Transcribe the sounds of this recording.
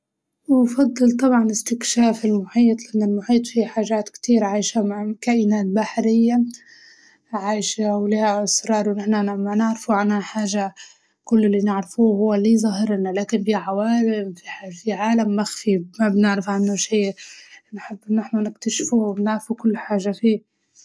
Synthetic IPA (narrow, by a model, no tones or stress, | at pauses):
wfɑd̪ˤːɨlt̪ˤɑbʕɑnɪst̪ɪkʃaːfɪlmʊħiːt̪ˤlɪʔanːɪlmʊħiːt̪ˤfiħaːʒaːt̪kt̪iːɾʕaːjʃamaʕkaːʔɪnaːt̪̚baħɾɪjːa | ʕaːjʃawlihaʔɪsɾˤɑːɾˤwnɪħnaamanɪʕɾɪfuʕanhaħaːʒa | kʊlːɪlːinɪʕɾɪfuhʊwːaliːzˤɑɦɪɾnalaːkɪnbiːʕawaːɾɪmfiħfiʕaːlamːaxfimabnɪʕɾɪfʕanːʊʃiːnħɪbːʔɪnːɪħnanɪkt̪aʃfuhbnɪʕɾfukʊlːħaːʒafiː